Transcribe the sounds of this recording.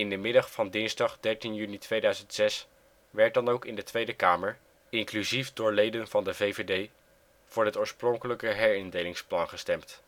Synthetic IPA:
ɪndəmɪdɑχfɑndɪnzdɑχdɛɹtinjynitʋejdœɥzəntsɛs | ʋɛɹt̚dɑnowkɪndətʋejdəkaːməɹ | ɪŋklyzifdʊːɹlejdənvɑndəvejvedej | v̥ʊːɹɦətʊːɹsprʊŋkələkəɦɛɹɪndejlɪŋsplɑnχəstɛmt

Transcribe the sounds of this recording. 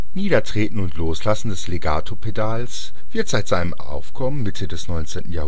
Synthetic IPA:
niːdɐtʁ̥eːtn̩ʊntʰloːslasn̩dɛsleɡa̰ːtʰopʰedaːls | v̥ɪɐtz̥aɪtz̥aɪnəmʔa̰ʊfkʰɔmənmɪtʰədɛsnɔʏnt͡seːntn̩jaːh

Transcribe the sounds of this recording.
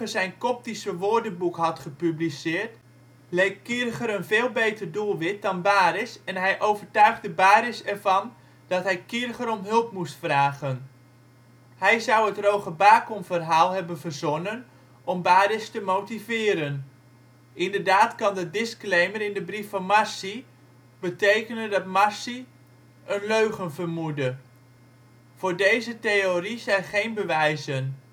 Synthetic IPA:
əzɛjnkɔp̚tisəʋordəbukɦɑtχəpyblisɪːrt | lejkkːɪrɣəɾənveːlˠbeːtərdulˠʋɪt̚dɑnbaːɾɪsɛnɦɛjʔowvərtœɥχdəbaːɾɪsɛrvɑn | d̥ɑtɦɛjkɪrɣəɾɔmɦɵlˠpmustfraːɣən | hɛjzʌwətrowχəbaːkɔmvərɦaːlˠɦɛbənvərzɔnən | ɔmbaːdɪstəmowtivɪːɾən | ʔɪndəɹdaːtkɑndədɪsklejməɾɪndəbrifɑnmɑɹsi | bətejkənədɑtmɑsi | ənløɥχənvərmudə | v̥ʊːɹdejzətejorizɛjnχejnbəʋɛjzən

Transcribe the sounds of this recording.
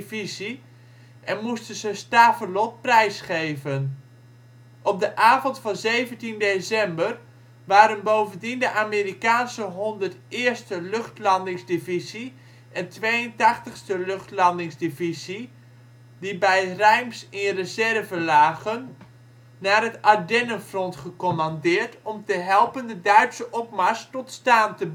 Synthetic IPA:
vizi | ʔɛnmustənzəstaːfərlɔt̚prɛjsχejvən | ʔɔp̚dəʔaːvɔntfɑnzejvəntindesɛmbər | ʋaːɾənbowvəndindəʔaːmeːɾikaːnsəɦɔndərtɪːɹstəlɵχtlɑndɪŋzdivizi | ʔɛntʋeːəntɑχtəχstəløχtlɑndɪŋzdivizi | dibɛjrɛjmsɪrəzɛrvəlaːɣənː | aːrətadɛnəfrɔntχəkɔmɑndɪːɹtɔmtəɦɛlˠpəndədœɥtsəʔɔp̚maɹstɔtstaːntəb

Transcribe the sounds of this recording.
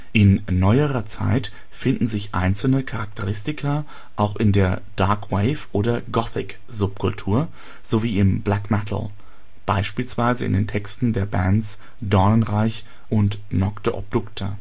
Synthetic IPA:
ʔɪnːɔʏəʁɐt͡sa̰ɪt | fɪndn̩zɪçʔa̰ɪnt͡sl̩nəkʰaʁak̚tʰəʁ̞ɪstɪkʰɐ | ʔaʊxɪndeːɐd̥aɐkweɪfʔoːdɐɡɔθɪk | z̥ʊp̚kʰʊltʰuːɐ | z̥oviːɪmblɛkmɛtʰl̩ | b̥aɪʃpiːlsv̥aɪzəɪ̰ndeːntʰɛkstn̩deːɐbɛns | d̥ɔɐnənʁaɪç | ʔʊntnɔktəʔɔ̰b̚d̥ʊktʰə

